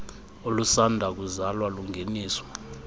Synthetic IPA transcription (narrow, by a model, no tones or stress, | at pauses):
olusandʱak̬uzalwaluŋʱeniːsɔ̥